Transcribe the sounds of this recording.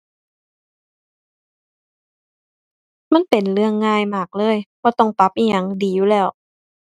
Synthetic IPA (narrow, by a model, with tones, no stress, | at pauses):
ma˧˥˨npe˨˩˨nlɯ˧˩əŋːaː˧˥˨jmaː˧˩k̚lɤː˧˥˨jbaː˧˩t̪ɔ˧˩ŋt̪a˧˦p̚ʔiː˧˩ɲa˧˩ŋdiː˨˩juː˧˩lɛː˧˩w